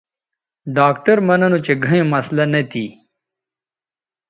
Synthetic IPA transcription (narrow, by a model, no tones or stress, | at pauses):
ɖaːkʈɐɾmɐnɐnot͡ʃeɡʱɐjẽmɐslɐnɐt̪ʰi